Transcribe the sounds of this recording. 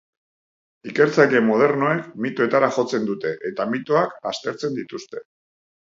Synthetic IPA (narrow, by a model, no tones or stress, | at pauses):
ike̞ɾt͡sake̞moð̞e̞ɾno̞e̞kmit̪oe̞t̪aɾaxo̞t͡se̞nd̪ut̪e̞ʔet̪amit̪oakast̪e̞ɾt͡se̞nd̪it̪ust̪e̞̥